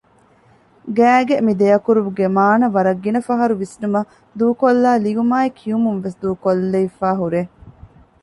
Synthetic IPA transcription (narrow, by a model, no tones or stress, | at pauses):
ɡæːɡemid̪ejɐkuɾuʋuɡemaːnɐʋɐɾɐɡːinɐfɐɦɐɾuʋisnumɐ | d̪uːkolːaːliʋumaːikʰiumunʋesd̪uːkolːeifaːɦuɾe